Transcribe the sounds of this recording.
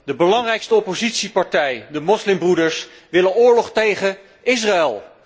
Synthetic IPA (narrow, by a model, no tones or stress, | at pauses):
dəbəlɑŋrɛjkstəɔpozitsipɑɹtɛjdəmɔslɪmbrudəɹs | ʋɪlənʊːɹlɔχtejχə | ɪs̬raɛlˠ